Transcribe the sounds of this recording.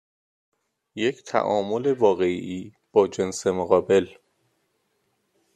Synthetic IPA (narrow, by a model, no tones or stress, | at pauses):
jecʰt̪ʰæ̰ʔɒːmo̞levɒːɣe̞ʔiː | b̥ɒːd͡ʒe̞nsemoɣɒːbe̞l